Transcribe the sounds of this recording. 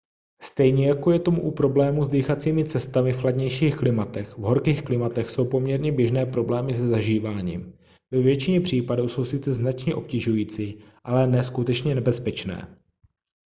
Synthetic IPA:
st̪ɛjɲɛjako̞jɛt̪o̞muʔupɾo̞blɛːmuzdiːxat͡siːmɪt͡sɛst̪amɪfxladɲɛjʃiːxklɪmat̪ɛxvɦo̞ɾkiːxklɪmat̪ɛxso̞wpo̞mɲɛɾɲɛbjɛʒnɛːpɾo̞blɛːmɪsɛzaʒiːvaːɲḭːm | vɛvjɛt͡ʃɪɲɛpr̝̥iːpaduːso̞wsɪt͡sɛznat͡ʃɲɛʔo̞pcɛʒujiːt͡siːʔalɛnɛskut̪ɛt͡ʃɲɛnɛbɛspɛt͡ʃnɛ̰ː

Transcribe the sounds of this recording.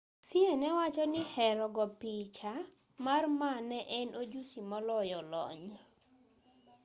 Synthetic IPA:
sienɛwat͡ʃɔnɪhɛɾɔɡɔpit͡ʃa | marmanɛʔɛnʔod͡ʒusimɔlɔjɔlɔ̰ɲ

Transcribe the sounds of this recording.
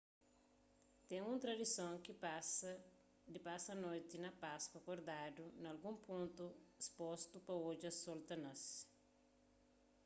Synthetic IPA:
t̪ẽŋũnt̪ɾɐd̪isõŋkiasɐ | d̪ipasɐnojt̪inɐpaskwɐkoɾd̪ad̪unɐlɡũmpũnt̪uispost̪upɐod͡ʒɐsolt̪ɐnɐs

